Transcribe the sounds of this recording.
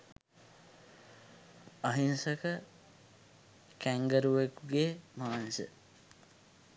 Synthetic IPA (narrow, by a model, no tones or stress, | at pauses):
ʌɦinsʌkʌ | kaŋɡʌɾwekuɡemansḛ